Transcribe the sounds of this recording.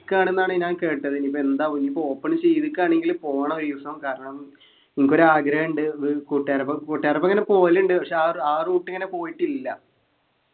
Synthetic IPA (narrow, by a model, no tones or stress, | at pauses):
kʲːaːɳe̞nːaːɳɨɲaːnke̞ːʈːɐðinipːoːe̞nd̪aːʋɐɲːipːooːpːeɳt͡ɕe̞jðikʲːaːɳe̞ŋɡilpo̞ːɐɳɐoɾʋiʋɐsɐmkaːɾɐɳɐm | iŋikʲːo̞ɾuaːɡɾeːɳɖɨkuʈːaːɾɐpːokuʈːjaːɾɐpːɐŋːɐne̞po̞ːluɳɖɨpɐkʂe̞aaːruːʈːɨŋːɐne̞po̞ːjiʈːilːɐ